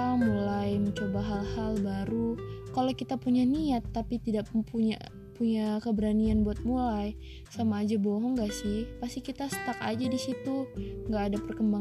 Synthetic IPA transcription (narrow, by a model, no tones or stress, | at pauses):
amulajməɲt͡ʃobaɦalhalbaɾukalakit̪apuɲaniat̪ːapit̪idaʔpuɲa̰ | puɲakəbəɾanianbuat̪̚mulaj | samaːd͡ʒabɔɦɔŋɡaʔsɪhpast̪ikit̪asə̥t̪aka̰d͡ʒadisit̪uŋɡaːdapərkəmba